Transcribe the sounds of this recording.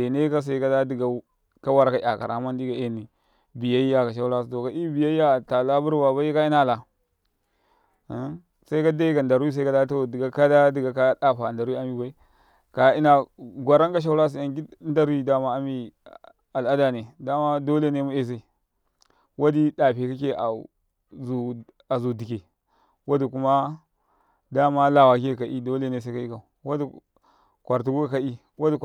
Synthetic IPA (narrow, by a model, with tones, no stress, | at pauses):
e˨ne˦ka˦s̬a˦i˦ka˦da˦di˨ɡa˨ | ka˦wa˦ɾa˨ka˨ʔa̰˨ka̰˨ɾʔa̰˨˦ma˦n˦di˦ɡa˨ʔe˦˨ni˨ | bi˨ja˦i˦ja˦˨ka˨ʃ̬a˦u˦la˦s̬to˨ka˨˦ʔi˦bi˨ja˦i˦ja˦˨ta˨la˦bu˦ɾwa˨ba˦i˦ka˦i˦na˦˨la˨˦ | sa˦i˦ka˦da˦i˦ka˨nda˨ɾu˦i˦s̬a˦ka˦da˦to˦di˨ɡa˨ka˦da˦di˨ɡa˨ka˦ɗa˦ɸa˨nda˨ɾu˦i˦a˦mi˦ba˦i˦ | ka˨i˦na˨ɡʷa˨ɾa˦ŋɡa˦ʃ̬a˦u˦ɾa˦s̬i˨a˨ŋɡi˦nda˦ɾi˦da˦ma˦a˦mi˦ | a˨la˦da˨ne˨da˦ma˦do˦le˦ne˦mu˦e˨s̬e˦˨ | wa˦di˦ɗa˨pe˨ka˦ke˦ʔa̰˨ | zu˨ | a˨zu˨di˨kʲe˨ | wa˦di˨ku˦ma˦ | da˦ma˦la˨wa˨ke˦˨ka˨ʔi˦do˦le˦ne˦s̬a˦ka˦i˦ka˨u˨wa˦di˨ | kʷa˨ɾt̬u˦ɡu˦ka˨ka˦i˦ | wa˦di˨